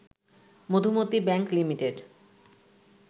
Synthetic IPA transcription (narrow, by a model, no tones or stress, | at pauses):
mod̪ʱumot̪ibɛŋklimiʈeɖ